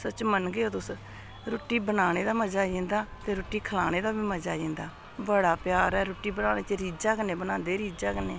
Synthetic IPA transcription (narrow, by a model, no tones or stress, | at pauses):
sət͡ʃmənɡeoːt̪ʊs | ɾoːʈːiːbənaːɽ̃eːd̪aːməd͡ʒaːd͡ʒẽːnd̪aːt̪eːɾoːʈːiːkʰəlaːñeːd̪aːbiːməd͡ʒaːẽːnd̪aː | bəɽaːpjaːɾɛːɾoːʈːiːbənaːɽeːt͡ʃeɾiːd͡ʒaːkəneːbənãːnd̪eːɾiːd͡ʒaːkəneː